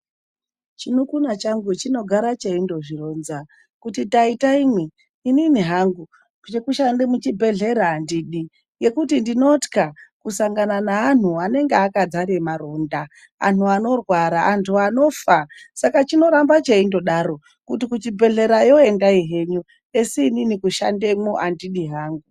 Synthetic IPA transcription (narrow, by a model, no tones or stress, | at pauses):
t͡ʃinukunat͡ʃaŋɡut͡ʃino̞ɡʱaɾat͡ʃeindo̞ʐiroːnza | kutitaitaimiː | niniɦaŋɡu | t͡ʃekuʃandemut͡ʃibʱe̞ɮe̞ɾandiɗi | jɡe̞kutindino̞tkakusaŋɡananaːn̤uane̞ŋɡeakad͡zaɾemaɾonda | a̰n̤uano̞rwaɾaʔantʰuano̞fasakat͡ʃino̞ɾambat͡ʃeindo̞ɗaɾo̞ | kutikut͡ʃibʱe̞ɮe̞ɾaioendaiɦe̞ɲu | eseininikuʃa̰nde̞muʔandiɗiɦaːŋɡu